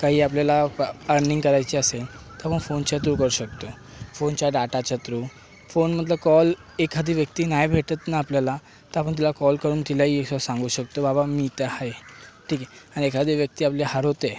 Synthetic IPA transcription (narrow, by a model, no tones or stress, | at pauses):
kaɦiːapljalaəɾniŋɡkəɾajt͡ɕiəset̪əɾapəɳfont͡ɕat̪̬ɾuːkəɾuːɕək̚t̪ofont͡ɕjaɖaʈat͡ɕat̪ɾu | fonm̤əd̪ləkɔl | ekʰad̪ʱiːʋjəkt̪iːnajbʱeʈət̪naːpljala | t̪əɾap̬əɳt̪̬ilakɔlkəɾuːnt̪ilaɦiːeksɔsãŋɡuɕək̚t̪obabamiːt̪əhajʈʰiːkɛaɽ̃iekʰad̪ʱiʋjək̚t̪iːapleɦaɾɦot̪e